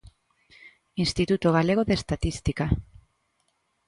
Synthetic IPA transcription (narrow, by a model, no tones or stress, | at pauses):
inst̪it̪ut̪oɣ̞ale̞ɣoðest̪at̪ist̪ika